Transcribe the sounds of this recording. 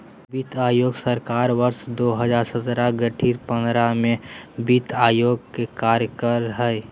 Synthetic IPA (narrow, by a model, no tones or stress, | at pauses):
bit̪ʰaːjoːɡsəɾkaːɾʋəɾʃd̪oːɦəd͡ʒaːɾsət̪ɾaɡəʈʰiːɾpə̃nd̪ɾamẽbit̪aːjoːɡkekaːɾjəkəɾɦɛj